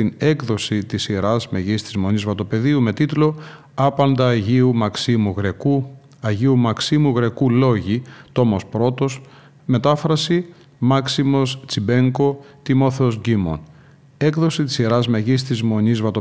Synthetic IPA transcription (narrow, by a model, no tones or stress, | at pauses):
ine̞kðo̞sit̪isiɾɐzme̞ʝist̪izmo̞ɲnizvɐt̪o̞pe̞ðiume̞t̪it̪lo̞ | ɐpɐnd̪ɐːʝiumɐksimuɣɾe̞ku | ɐʝiumɐksimuɣɾe̞kulo̞ʝit̪o̞mo̞spɾo̞t̪o̞s | me̞t̪ɐfɾɐsi | mɐksimo̞st͡sibe̞ŋko̞t̪imo̞θeozɡimo̰n | e̞kðo̞sit̪i̥siɾɐzmeʝist̪izmo̞nizvɐt̪o